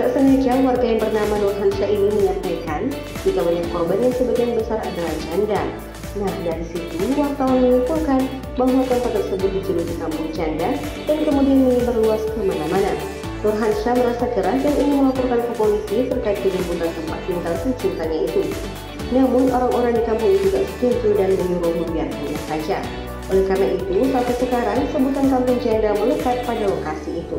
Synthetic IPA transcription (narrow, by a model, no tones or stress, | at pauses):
daʔsənad͡ʒawarɡajaŋbərnamanurɦanʃainiməɲat̪ajkan | d͡ʒik̪aməɲakɔrbanjaŋsəbaɡijanbəsara̰dalahd͡ʒanda | nahdaɾisit̪uwart̪awanməŋukulkan | baɦwat̪əmp̪at̪ːərsəbʊt̪̚dit͡ʃududit̪ambʊŋd͡ʒanda | daŋkəmudianməŋibarluaskəmanamana | t̪urɦansaməɾasakəɾahjaŋumʊməŋapurkankəpolisisərkaip̚diɡubut̪ant̪əmpat̪̚mint̪awsəɲt͡ʃint̪aɲait̪u | namʊnoɾaŋoɾaŋdikampʊŋit̪uɡa̰st̪uɲd͡ʒudanməɲuɾʊhmubiartinasad͡ʒa̰ | ʔolɛhkaɾənaʔit̪usat̪asəkaɾaŋsəbut̪ankampʊŋd͡ʒandaməlukat̪̚padalokasiːt̪u